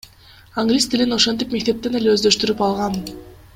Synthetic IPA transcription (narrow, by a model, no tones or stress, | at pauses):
aŋɡlʲist̪ilino̞ʃo̞nt̪ipme̞k̚t̪e̞p̚t̪e̞ne̞leøzd̪ø̞ʃt̪yɾypɑlˠʁɑn